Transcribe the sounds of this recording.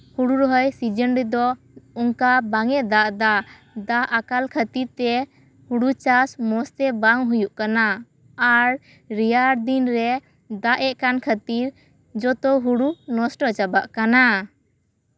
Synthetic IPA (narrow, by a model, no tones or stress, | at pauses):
huɽuɾɔɦɔjsid͡ʒənɾɛd̪ɔ | uŋkabaŋɛd̪aʔd̪a | d̪aʔakalkʰət̪iɾt̪ɛ | huɽut͡ʃasmɔst̪ɛbaŋɦujuʔkanaː | ɾ | ɾijaɾd̪inɾɛ | d̪aʔɛʔkankʰət̪iɾ | d͡ʒɔt̪ɔɦuɽunɔsʈɔt͡ʃabaʔkana